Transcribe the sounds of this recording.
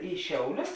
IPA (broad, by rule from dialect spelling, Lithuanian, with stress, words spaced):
iː ˈʃʲɛʊˌlʲʊs